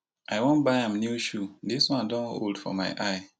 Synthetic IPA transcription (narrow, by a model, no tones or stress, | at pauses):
ʔaɪwõnbaɪãmnjuʃudiswãndɔ̃no̰ldfɔ̰maɪʔaɪ